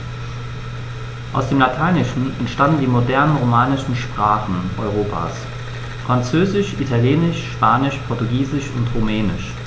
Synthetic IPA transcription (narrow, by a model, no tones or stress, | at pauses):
ʔa̰ʊsd̥eːmlatʰaɪnɪʃn̩ɛ̰ntʃtandn̩diːmodɛɐnənʁomaːnɪʃn̩ʃpʁ̥aːχn̩ʔɔʏʁ̞oːpʰa̰ːs | fʁ̥ant͡søːzɪʃʔitʰaljɛːnɪʃʃpaːnɪʃpʰɔɐtuɡiːzɪʃʊ̰ntʁumɛːnɪʃ